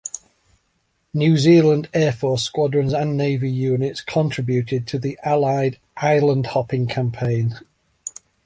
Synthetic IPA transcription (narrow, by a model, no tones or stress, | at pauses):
njʉːziːlə̃ndɛːfɔˑskwɒdɹə̃nzə̃nːeɪvɪjʉːnɪtskʰɒ̃ntʰɹ̥ɪbjʉˑtʰɪd̚tʰəðiʔalaɪd | ʔaɪlə̃nd̥hɒpɪ̃ŋkʰãmpʰẽɪ̃n